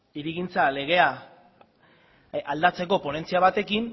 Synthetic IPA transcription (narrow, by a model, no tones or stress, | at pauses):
iɾiɣint͡sale̞ɣ̞e̞a | ald̪at͡se̞ko̞po̞ne̞nt͡siaβat̪e̞kin